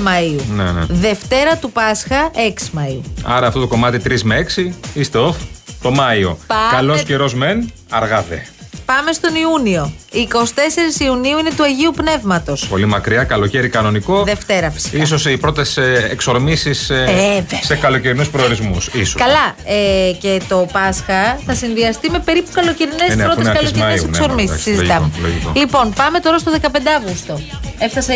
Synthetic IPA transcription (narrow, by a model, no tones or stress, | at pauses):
mɐiunenḛðe̞ft̪e̞ɾɐt̪upɐsxɐe̞ksi̥mɐiuɐ̰ɾɐft̪o̞t̪o̞ko̞mɐt̪it̪ɾizmeeksiist̪e̞oθt̪o̞mɐio̞̰kɐlo̞sce̞ɾo̞zme̞n | ɐɾɣɐðḛpɐme̞st̪o̞niunio̞iːko̞si̥t̪e̞se̞ɾisiuniuine̞t̪uɐʝiupne̞vmɐt̪o̞spo̞limɐkɾiɐkɐlo̞ce̞ɾikɐno̞niko̞ðeft̪e̞ɾɐfi̥si̥ks̬o̞sipɾo̞t̪e̞seksoɾmisisevesekɐlo̞ceɾinuspɾooɾizmusisokɐlɐece̞t̪o̞pɐsxɐθɐsinðiɐst̪ime̞pe̞ɾipu̥kɐloceɾinesnɾoeskɐloeɾɐnesenksoɾmisisizit̪ɐmelo̰ʝḭko̰lipo̞npɐme̞t̪o̞ɾɐst̪o̞ðekɐpe̞nd̪eɐvɣust̪o̞e̞fθɐse